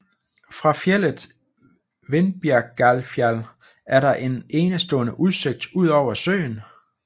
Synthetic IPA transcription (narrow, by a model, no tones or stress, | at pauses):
fʁɑ̈fjel̰əð̩ˠ | ʋe̝nb̥æɐɡ̥ælfjæl | æɐɾɑ̈ʔe̝ne̝ːnəsd̥ɔ̰̽ːnəʔuð̞ˠse̝ɡ̥̚d̥uð̞̰ˠɒʊ̰ɐsø̰ːn